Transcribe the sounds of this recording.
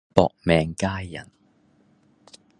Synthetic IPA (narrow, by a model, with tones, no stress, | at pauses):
pɔ̰ː˨k̚mɛː˨ŋkaː˥jːɐ̰˨˩n